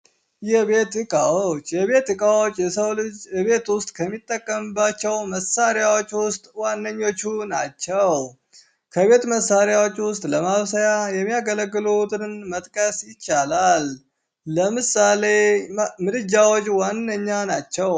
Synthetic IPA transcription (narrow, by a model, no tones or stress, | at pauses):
jɛβet̪ɨkʼawot͡ʃːjɛβe̞t̪ɨkʼawo̞t͡ʃʼːjɛsəwβe̞t̪wʊst̪ʼkʰəmːit̪ʼːəkʼːəmɨbat͡ʃːɛwməsaɾɪjawo̞t͡ʃːwʊst̪ʼwanːəɲːo̞t͡ʃːunat͡ʃːɛw | kʰəβe̞t̪məsːaɾjawo̞t͡ʃːwʊst̪ʼləmaβsəjajɛmːijaɡələɡːɨlut̪ɨnmət̪ʼkʼəsjɪt͡ʃːalalː | əmɨsale̞mɨlɨd͡ʒːawo̞t͡ʃʼwanːəɲːanat͡ʃːɛw